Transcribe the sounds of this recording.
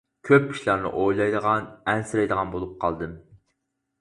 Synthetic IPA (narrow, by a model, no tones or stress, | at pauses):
kʲʰøpːi̥ʃlˠɑɾnɨ̰ʔojlˠɑjd̪əʁɑnɛnsɪɾɛjd̪əʁɑnbolˠup̚qʰɑlˠd̪ɨm